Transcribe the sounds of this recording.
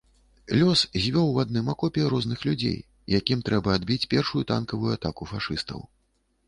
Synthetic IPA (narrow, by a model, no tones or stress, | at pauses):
lʲɔszʲvʲɔwad̪nɨmakɔpʲɛɾɔznɨxlʲud͡zʲḛj | jakʲimt̪ɾɛbɐːd̪bʲit͡sʲpʲɛrʂujut̪a̰nkɐvujuat̪akufaʂɨst̪ɐ̰w